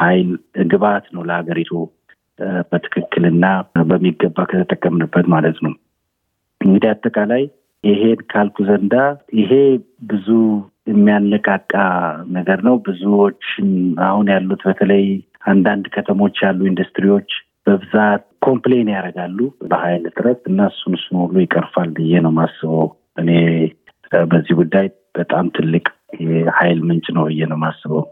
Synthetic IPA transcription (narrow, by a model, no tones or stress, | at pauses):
hajlɨɡɨβat̪nəwləhaɡəɾit̪ʰo | bət̪ʰɨ̥kʰɨkːɨlɨnːabəmːiɡːəbːakʰət̪ʰət̪ʼːəkʼːəmnɨbːət̪malət̪nəw | ʔɨŋɡɨd̪iat̪ʼːəkʼalaj | ʔɪɦe̞nkʰalkʰuzənd̪ajʔɪɦe̞ | bɨzu | jɛmːijanːəkʼakʼːanəɡəɾnəwbɨzuo̞t͡ʃːɪnahunjalːut̪bət̪ʰələj | ʔand̪and̪kʰət̪ʰəmo̞t͡ʃːjalːuind̪ust̪ɾiwo̞t͡ʃː | b̥əbɨzat̪̚kʰo̞mplejnjaɾəɡalːubəhajlɨt̪ʼɨɾət̪ɨnːaɨsːunsunhulːujɪkʼːəɾfalɨjːɛnəwmasːɨβo | ʔɨne̞ | bəzːihɡud̪ːaj | b̥ət̪ʼamt̪ʰɨlːɨkʼjɛhajlmɨnt͡ʃʼnəwɨjːɛnəwmasːɨβo